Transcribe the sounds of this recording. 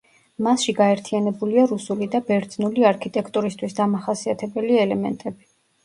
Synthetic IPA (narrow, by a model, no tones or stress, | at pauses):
masʃiɡaɛɾt̪ʰianɛbuliaɾusulid̪abɛɾd̪znuliaɾkʰit̪ʼɛkʰt̪ʼuɾist̪ʰwisd̪amaχasiat̪ʰɛbɛliɛlɛmɛ̰nt̪ʼɛbi